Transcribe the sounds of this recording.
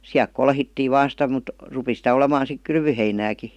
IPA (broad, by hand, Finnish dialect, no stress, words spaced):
siælk kolhitːiː ʋɑːn sitæ mut rupi sitæ olemɑːn̞ sik kylʋyheinæːki